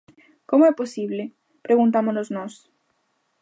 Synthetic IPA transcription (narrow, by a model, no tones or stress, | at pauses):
komoɛposiβle | pɾeɣũnt̪̬amonoznos